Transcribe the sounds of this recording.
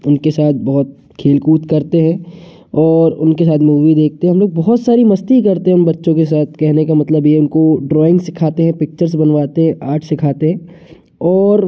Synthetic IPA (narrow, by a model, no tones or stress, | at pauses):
ʊnkesaːt̪̚ʰbɐɦʊt̪̚ | kʰeːlkuːt̪kɐɾt̪eɦɛ̃ | ɔːɾʊnkesaːt̪ʰmuːʋid̪eːk̚ʰt̪eɦɦɐmloːɡ̚bɔɦɔt̪saːɾimɐst̪iikɐɾt̪eɦɛ̃ʊ̃nbɐtːʃõkesaːt̪̚ʰkɛɦnekamɐt̪ləbijeʊnkoɖɾɔːɪ̃ŋɡsɪkʰaːt̪eɦɛ̃pɪk̚t͡ʃəɾzbɐnʋaːt̪eɦɛ̃ʔaːʈʰsɪkʰaːt̪eɦɛ̃ | ɔːɾ